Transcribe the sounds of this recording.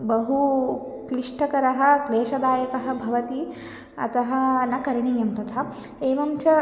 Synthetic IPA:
bɐɦu | kliʂʈɐkɐɾɐɦɐ̆kleːʃɐd̪aːjɐkɐɦɐ̆bʱɐʋɐt̪i | ɐ̰t̪ɐɦɐ̆nɐkɐɾɳiːjɐmt̪ɐt̪ʰa | eːʋɐmt͡ʃɐ

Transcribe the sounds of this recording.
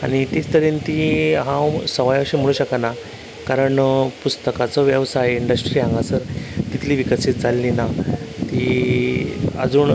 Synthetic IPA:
a̰ɽ̃it̪it͡st̪əɾint̪iɦãwsəʋajaɕim̤əɭ̃uːɕəkana | kaɾəɳpust̪əkat͡sɔʋjəʋsajiɳɖəsʈɾiːãŋɡasəɾt̪it̪ʰliːʋikəsit̪̚d͡zʱalːinat̪i | a̰d͡zuːɳ

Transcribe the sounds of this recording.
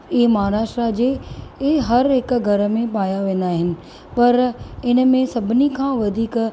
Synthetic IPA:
iːmɐɦaɾaːʃʈɾad͡ʑeː | ɦɐɾɦɪkɡʱɐɾə̆mẽpaːjaʋẽːn̆d̪aːɦɪnɪ̆ | pɐɾɪnəmẽsɐbʱɪnikʰãːʋɐd̪ʱiːk

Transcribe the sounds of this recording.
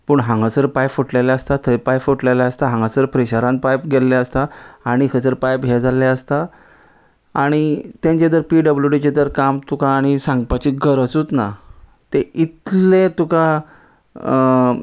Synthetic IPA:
pəɳɦãŋɡasəɾpajfoʈleljaəst̪at̪ʰəpajfoʈlelaəst̪aɦãŋɡasəɾpɾeɕaɾãnpajpɡelːaəst̪aaɽ̃ikəsəɾpajpɡʱɛd͡zalaəst̪a | aɽ̃it̪ẽɲt͡ɕed̪əɾpiɖəbljuɖit͡ɕed̪əɾkamt̪ukaːɽ̃isãŋɡpat͡ɕiɡəɾət͡sut̪na | t̪eit̪lẽt̪uka

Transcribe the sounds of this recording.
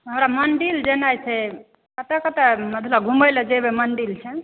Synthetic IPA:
ɦəmɾamənɖild͡ʒenajt͡ʃʰɛ | kət̪ɛkət̪ɛməd̪ʱləɡʱuməjlɛd͡ʒebemənɖilt͡ʃʰɛ

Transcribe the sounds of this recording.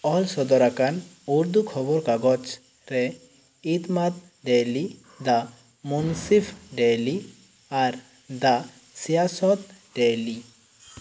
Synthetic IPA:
ɔlsɔd̪ɔɾakanuɾd̪ukʰɔbɔɾkaɡɔt͡ʃ | ɾɛ | it̪mat̪̚ | ɖeli | d̪a | munsifɖeli | aɾ | d̪a | sijasɔt̪̚ | ɖeli

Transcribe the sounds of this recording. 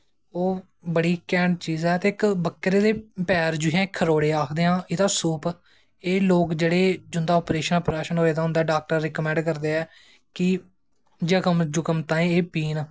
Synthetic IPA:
oː | bəɽiːkɛːɳɖ̚t͡ʃiːzɛːt̪eːɪkbəkːɾeːd̪eːpɛːɾd͡ʒʊiãːɪkʰːəɾoːɽeːaːkʰd̪eːɦãːɪd̪aːsuːp | eːloːkd͡ʒeːɽeːd͡ʒʊnd̪aːɔːpɾeːʃənːpɾaːʃənɦoːeːd̪aːʊ̃nd̪aɛːɖaːk̚ʈəɾːɪkəmɛ̃ːɳɖkəɾd̪eːɛː | kɪ | d͡ʒəkəmd͡ʒʊkəmt̪ãːẽeːpiːnaː

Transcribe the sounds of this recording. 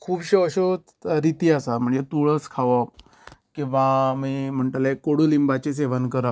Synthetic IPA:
kʰuːbɕeəɕo | ɾit̪iːasam̤əɳd͡zet̪uɭəskʰaʋa | kĩw̃ʋamiːm̤əɳʈlekoɽuːlimbat͡ɕes̬eʋankəɾa

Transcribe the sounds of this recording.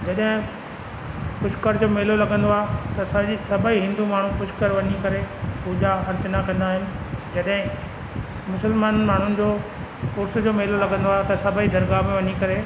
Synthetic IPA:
d͡ʑɐɗɦɪ̃ | pʊʃkəɾd͡ʑoːmeːlolɐɡʱə̃nd̪oaːɦet̪ɐsɐsɐbʱəiɦɪ̃nd̪umaːɳ̤ũpʊʃkəɾʋɐɲikɐɾepuːd͡ʑaxɐɾt͡ɕənakɐ̃nd̪aːɦɪnɪ̆d͡ʑɐɗɦɪ̃ | mʊsəlmaːnənɪ̆maːɳ̤ʊnɪ̆d͡ʑoː | pʊɾs̆d͡ʑoːmeːlolɐɡʱə̃nd̪oaːɦet̪ɐsɐbʱəid̪ʱɐɾɡamẽʋɐɲikɐɾeː

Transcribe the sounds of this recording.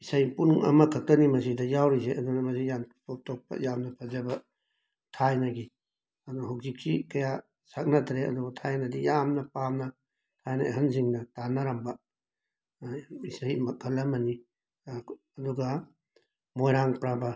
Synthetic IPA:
isajpunɐ̰mɐkʰɐk̚tɐnimɐs̬idɐjawɾiseʔɐdunɐmɐsijantop̚tʰok̚pɐ̰jamnɐpʰɐzɐbɐ | tʰajnaɡi | ɐdunɦawzik̚sikɐja | sak̚natʰɾeɐ̰duɡɐtʰajnɐdijamnɐpamnɐ | tʰajnɐḛɦɐns̬iŋnɐtanaɾambɐ | isajmɐkʰɐlːɐmɐni | duɡɐ | mojɾaŋpɾabɐ

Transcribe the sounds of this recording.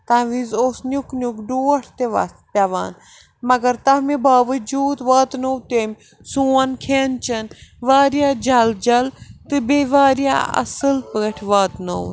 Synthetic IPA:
t̪ãːʋizoːsnʲuknʲukɖuːɐʈʰt̪eʋɐ̰ | pʲɐʋa̰ːn | mɐɡɐɾt̪ɐɦmibaːʋɐd͡ʒuːd̪ʋaːt̪nowt̪emʲ | suːɐnkʰeːnt͡ʃɐnʋaːɾjaːd͡ʒɐld͡ʒɐlt̪ɨbeːʋaːɾija̰ɐ̰sɨlpɨɐʈʰʋaːt̪now

